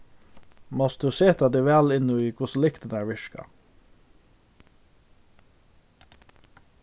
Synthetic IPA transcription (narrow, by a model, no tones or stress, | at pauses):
mɔst̪d̪ʉːseːt̪ʰɑd̪eːʋæːlɪnuːiːkʰʊsʊlɪkt̪ənæːʋɪʃkɑ̰